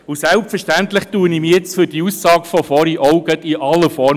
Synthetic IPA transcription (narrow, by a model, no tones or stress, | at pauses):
ʊsɛlp̚fəʃtænt̪lɪχtuːənimijɛt͡sfyd̥iusːɑːkfɔfɔɾiʔɔʊɡətiʔɑlːəfɔɾ